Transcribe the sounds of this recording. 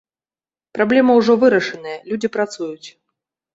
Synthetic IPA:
pɾablʲɛmɐwʐɔvɨɾɐʂɨnɐjɐlʲud͡zʲipɾat̪sujut͡sʲ

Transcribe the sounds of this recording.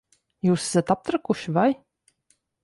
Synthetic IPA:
juːsɛ̥zat̪ap̚t̪ɾakuʃvaj

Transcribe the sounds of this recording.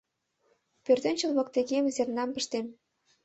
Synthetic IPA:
pørt̪ĕnʲt͡ɕə̆lβɤ̆k̚t̪eɣemzernɑmpə̆ʃt̪em

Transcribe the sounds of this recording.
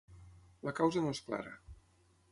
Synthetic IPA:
ləkawzənoeskla̰ɾə̰

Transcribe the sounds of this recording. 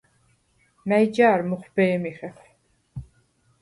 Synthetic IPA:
mæjd͡ʒaːɾmuχbɛːmiχɛpʰ

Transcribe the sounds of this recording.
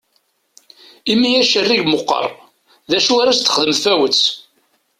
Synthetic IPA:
imːijæʃərːiʝmʊqːə̰rˤ | ðæʃuaɾæst̪ːə̥χəðəmfæwət͡sː

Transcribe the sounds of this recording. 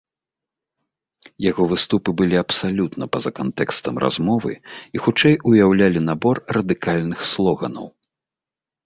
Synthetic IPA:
jaɣɔvɨst̪upɨbɨlʲiɐpsalʲut̪nɐpɐzɐkant̪ɛkst̪ɐmrʔa̰zmɔvɨ̰ixut͡ʂɛjujawlʲalʲinabɔrrɐd̪ɨkalʲnɨxslˠɔɣɐ̰nɐ̰w

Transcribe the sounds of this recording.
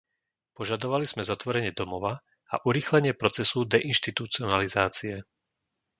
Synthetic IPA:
pɔʒad̪ɔʋaliz̥mɛzat̪ʋɔɾɛɲɪɛd̪ɔmɔʋa | a̰ʔuɾiːxlɛɲɪɛpɾɔt͡sɛsud̪ɛʔinʃt̪it̪ut͡siɔnalizaːt͡siɛ

